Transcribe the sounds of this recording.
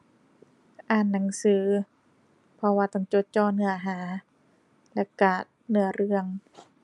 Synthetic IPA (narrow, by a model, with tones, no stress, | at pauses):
ʔaː˧˩nːa˨˩˦ŋsɯː˩˦ | pʰɔ˧waː˧t̪ɔ˧˩ŋt͡ɕo˧˦t̪̚t͡ɕɔː˧˩nɯ˧ɐɦaː˩˦ | lɛ˧˩kaː˨˩t̪̚nɯ˧˩ɐɾɯ˧əŋ